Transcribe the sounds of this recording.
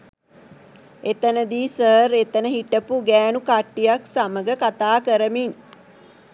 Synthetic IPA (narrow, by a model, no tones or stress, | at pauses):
et̪ənəd̪iːsəːɾet̪ənəɦiʈəpuɡæːnukaʈːijaksaməɡəkat̪aːkəɾəmin